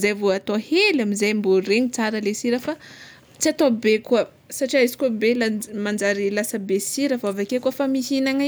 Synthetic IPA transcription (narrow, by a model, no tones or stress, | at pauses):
zajvoat̪ohelamizajmboɾeɲit͡saɾəlesiɾəfa | t͡siat̪obekuə | saʈ͡ʂiaizi̥kuəbelamand͡ʒaɾilasəbesiɾəfavakekuəfamihinaŋ